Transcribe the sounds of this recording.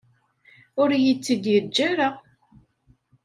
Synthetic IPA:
ʊɾjət͡sːəd̪jəd͡ʒːæɾəʁ

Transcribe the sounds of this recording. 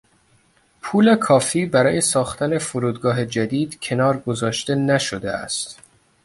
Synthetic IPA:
pʰuːle̞kʰɒːfiːbæɾɒːje̞sɒːxt̪ʰæne̞foɾuːd̪ɡɒːɦe̞d͡ʒæd̪iːd̪̥cʰe̞nɒːɾɡozɒːʃt̪e̞næʃod̪eæ̰st̪

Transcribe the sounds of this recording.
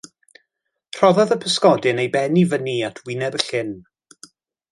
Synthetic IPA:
r̥ɔðɔðəpʰəskɔdɨnejbɛnivəniatʰwɪnɛbəɬɪn

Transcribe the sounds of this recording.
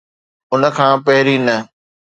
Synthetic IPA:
ʊnə̆kʰãːpɐɦɪɾinɐ

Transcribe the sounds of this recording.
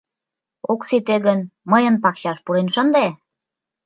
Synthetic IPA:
okt͡sit̪eɣənməjənpɑkɕɑʃpuɾenʃənd̪e

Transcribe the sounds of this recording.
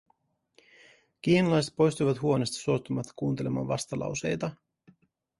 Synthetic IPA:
k̟iːnɑlɑjse̞t̪̚po̞jst̪ujʋɑt̪huo̞nest̪ɑ̥suot̪ːumɑt̪ːɑ̥kuːnt̪e̞lemɑ̰ːnʋɑst̪ɑlɑ̰wse̞jt̪ɑ

